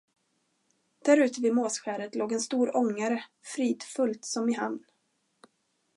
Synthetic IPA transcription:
d̪̥æɾʉ̟ːt̪əvɪmoːsɧæːɾət̪lʔoːɡɛnst̪uːɾɔŋːaɾə | fɾiːd̪fɵlt̪sɔmɪɦa̰nnː

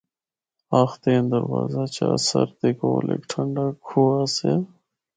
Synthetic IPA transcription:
axt̪eːnd̪ɐɾwaːzat͡ɕʰasɐɾt̪ekoːlḛkʈʰɐɳɖakʰuase

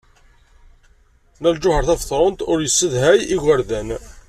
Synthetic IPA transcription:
næld͡ʒʊhəɾˤθæfθˤɾˤənt̪ʊɾjəsːəðɦæjiʝæɾðæn

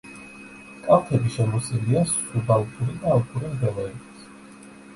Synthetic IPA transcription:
kʼapʰɛbiʃɛlɔsɛlias | ubalˠkʰuɾid̪aːlˠkʰʼuɾimvɛlˠaɛbis

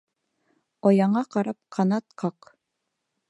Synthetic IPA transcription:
ɒjɑɴɑqɑɾɑp̚qʰɑnɑt̪qɑq

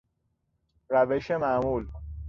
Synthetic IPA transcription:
ɾæʋeʃemaːmuːl

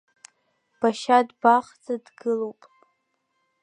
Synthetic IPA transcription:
b̥aʃadbaχt͡sʼadɡɨlowpʼ

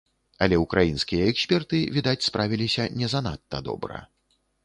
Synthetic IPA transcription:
ɐlʲɛukɾajinskʲijɐɛksʲpʲɛrt̪ɨvʲid̪at͡sʲspɾʔavʲilʲisʲɐnʲɛzɐnat̪ːɐd̪ɔ̰bɾɐ̰

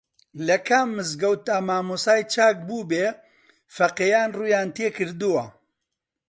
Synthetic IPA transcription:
lɐkʰamːɨzɡɐwt̪aːmaːmusaːjt͡ʃʰaːk̚buːbeː | fɐqeːjaːnruːjaːnt̪eːkɨɾd̪uwɐ

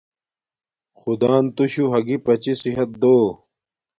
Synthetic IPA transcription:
xud̪aːnt̪uɕuɦɐɡipɐt͡ɕisiɦɐt̪̚d̪oː

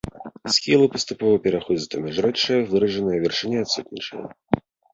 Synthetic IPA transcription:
sʲxʲilˠɨpɐst̪upɔvɐpʲɛɾaxɔd͡zʲɐt̪ɐmʲɛʐɾɛt͡ʂːɨjɐvɨɾɐʐɨnɨjɐvʲɛrʂɨnʲɛat̪sut̪̚ʲnʲit͡ʂə̰jɐ̰

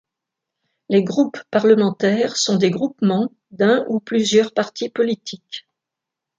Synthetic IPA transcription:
leɡʁupːaʁləmɑ̃t̪ɛːʁsɔ̃d̪eɡʁupmɑ̃ | d̪ɛ̃ʔuplyzjœʁpaʁt̪ipɔlit̪ʰik

